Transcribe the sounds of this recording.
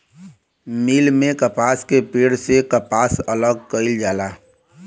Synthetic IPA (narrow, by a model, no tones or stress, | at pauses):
miːlmẽkəpaːskepeːɽsekəpaːsələɡ̚kəɪld͡ʒaːlaː